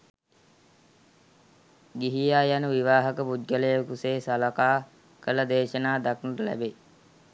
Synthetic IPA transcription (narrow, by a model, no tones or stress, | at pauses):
ɡiɦijaːjanəʋiʋaːɦəkəpud̪ɡələjəkuseːsalɐkaː | kələd̪eːʃənaːd̪aknəɾəlæ̰be